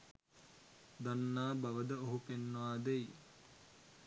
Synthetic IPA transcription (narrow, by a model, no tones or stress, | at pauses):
d̪anːaːbaʋəd̪əoɦupenːəʋaːd̪ej